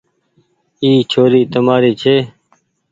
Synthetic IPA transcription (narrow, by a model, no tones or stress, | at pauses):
iːt͡ʃʰoːɾiːt̪əmaːɾiːt͡ʃʰeː